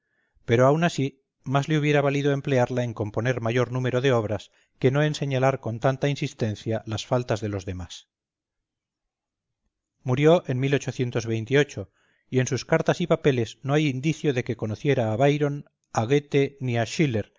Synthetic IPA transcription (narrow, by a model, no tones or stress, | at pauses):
pe̞ɾo̞awnasi | mazleuβje̞ɾaβaliðoe̞mple̞aɾlae̞ŋko̞mpo̞ne̞ɾmaʝo̞ɾnume̞ɾo̞ðe̞o̞β̞ɾas | ke̞no̞e̞nse̞ɲalaɾko̞nt̪ant̪ainsist̪e̞nθjalasfalt̪azðe̞lo̞zðe̞mas | muɾjo̞ʔe̞nmilo̞t͡ʃo̞θje̞nt̪o̞zβe̞jnt̪io̞t͡ʃo̞ | ie̞nsuskaɾt̪asipape̞le̞znoajind̪iθjoðe̞ke̞ko̞noθje̞ɾaːβajɾo̞n | aɣet̪e̞niaʃile̞ɾ